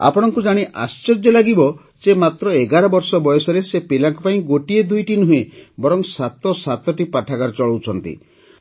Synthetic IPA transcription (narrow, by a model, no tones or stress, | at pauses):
a̰pɔɽ̃ɔŋkud͡ʒaɽ̃iʔa̰st͡ʃɔɾd͡ʒɔlaɡibɔ | d͡ʒemat̪ɾɔeɡaɾɔbɔɾsɔbɔjɔsɔɾesepelaŋkɔpaĩɡoʈied̪ujʈinuɦebɔɾɔŋsat̪ɔsat̪ɔʈipaʈʰakaɾɔt͡ʃɔɭowt͡ʃʰɔnt̪ḭ